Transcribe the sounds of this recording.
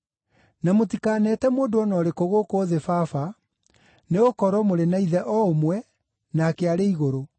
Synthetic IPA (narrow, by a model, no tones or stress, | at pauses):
namotikanɛtɛmoːndoɔnɔːɾekoɣokoðefafa | neɣokɔɾɔmoɾenaiðɛʔɔomwɛ | naːkeaɾeiɣoɾo